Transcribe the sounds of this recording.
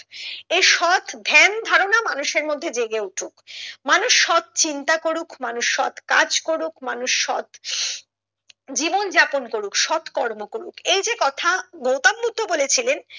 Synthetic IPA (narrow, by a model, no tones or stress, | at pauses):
eʃɔt̪ʰb̪ʱɛnd̪ʱaɾonamanuʃeɾmod̪ʱːed͡ʑeɡeuʈʰukmanuʃːɔt̪̚t͡ɕint̪akoɾukmanuʃːɔt̪ka̰d͡ʑkoɾukmanuʃːɔ̰t̪ | d͡ʑibond͡ʑaponkoɾukʃɔt̪ʰkɔɾmokoɾukejd͡ʑekɔt̪ʰaɡowt̪abbud̪ʱːobolet͡ɕʰilen